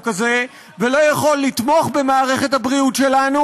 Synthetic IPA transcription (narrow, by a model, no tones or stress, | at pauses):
kaze̞ | velo̞jaχo̞lːit̪mo̞χbe̞maːʁe̞χe̞thabʁiutʃe̞lanu